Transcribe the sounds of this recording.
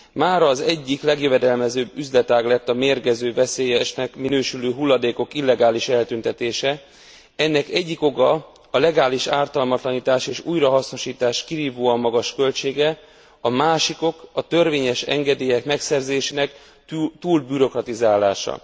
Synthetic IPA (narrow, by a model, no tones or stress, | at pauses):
maːɾɒːzɛɟːiklɛɡjøvɛd̪ɛlmɛzøːbːyzlɛt̪aːɡlɛt̪ːɒmeːrɡɛzøːvɛseːjɛʃnɛkminøːʃyløːɦulːɒd̪eːko̞kilːɛɡaːliʃɛlt̪ynt̪ɛt̪eːʃɛ | ɛnːɛkɛɟːiko̞ɡɒ | ɒlɛɡaːliʃaːrt̪ɒlmɒt̪lɒniːt̪aːʃeːʃuːjrɒɦɒsno̞ʃiːt̪aːʃkiɾiːvoːɒmɒɡɒʃkø̞lt͡ʃeːɡɛ | ɒmaːʃiko̞kɒt̪ø̞rveːɲɛʃɛ̰ŋɡɛd̪eːjɛkmɛksɛrzeːʃeːnɛk | t̪uːlbyɾo̞krɒt̪izaːlaːʃɒ̰